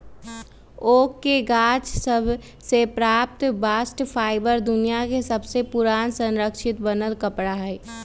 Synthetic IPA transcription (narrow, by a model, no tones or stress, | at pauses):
oːkːeɡaːt͡ʃsəbʱ | sepɾaːp̚t̪baːsʈpʰaːɪbəɾd̪ʊnijakesəbʱsepʊɾaːnsə̃nɾəkʃɪt̪bənəlkəpɽaɦɛː